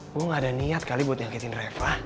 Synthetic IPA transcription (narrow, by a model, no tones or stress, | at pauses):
kʊŋadaniat̪̚kalibuat̪̚jaŋkɛt̪ɪnrefah